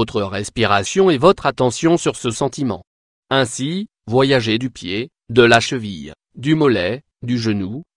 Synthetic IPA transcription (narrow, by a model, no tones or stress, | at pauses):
ot̪χəʁɛspiʁasjɔ̃ɛvɔt̪χat̪ɑ̃sjɔ̃syʁsəsɑ̃t̪imɑ̰̃ | ɛ̃si | vwajaʒed̪ypje | d̪əlaʃəvij | d̪ymɔlɛ | d̪yʒənu